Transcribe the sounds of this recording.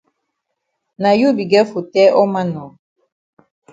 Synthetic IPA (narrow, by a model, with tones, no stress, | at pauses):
na˨ju˦bi˨ɡɛ˦fu˨tɛ˦ʔɔ˦ma˦nɔ˨